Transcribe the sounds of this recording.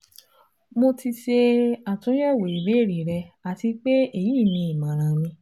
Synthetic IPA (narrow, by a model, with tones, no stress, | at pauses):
mo˧ti˧ʃe˧a˨tũ˨˦jɛ˦˨wo˨i˨be˨˦˨ɾi˨˦ɾɛ˧a˨ti˧k͡pe˦e˦˨jiː˦˨nĩ˧i˨mã˨ɾ̃ã˨mĩ˧